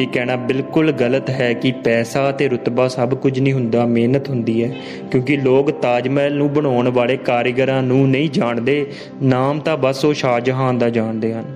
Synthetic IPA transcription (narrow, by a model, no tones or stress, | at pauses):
iːkɛːñaːbɪlkʊlɡələt̪ɦɛːkɪpɛːsaːət̪eːɾʊt̪baːsəbkʊd͡ʒʰnĩːɦʊnd̪aːmeːnət̪ɦʊnd̪iːɦɛː | kjõːkɪloːkt̪aːd͡ʒmɛːlnũːbəɽaːɳʋaːleːkaːɾjɡəɾãːnũːnəĩːd͡ʒaːɳd̪eː | naːmt̪ãːbəsoːʃaːd͡ʒɦãːnd̪aːd͡ʒaːɳd̪eːɦən